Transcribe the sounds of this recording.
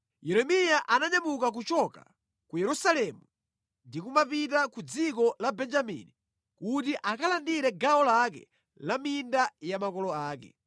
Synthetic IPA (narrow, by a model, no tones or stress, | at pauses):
jɛɾɛmijaʔanaɲamuk̬ak̬ut͡ʃɔka | kujɛɾusalɛmu | ndikumapitakud͡zikɔlabɛnd͡ʒamḭni | kutiʔakalandiɾɛɡaɔlakɛ̰ | lamindajamakɔlɔaːkɛ̰